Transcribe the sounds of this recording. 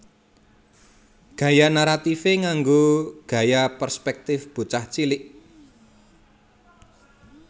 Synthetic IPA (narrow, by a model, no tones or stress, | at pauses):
ɡ̥ä̤janaɾat̪ifeŋaŋɡoɡ̥ä̤japərspɛk̚t̪ɪfb̥ṳt͡ʃaht͡ʃilɪʔ